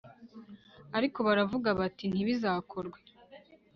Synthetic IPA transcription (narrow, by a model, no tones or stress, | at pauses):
aɾiko̞βaɾavuɡaβatin̥iβizaːkʰo̞ɾɡwe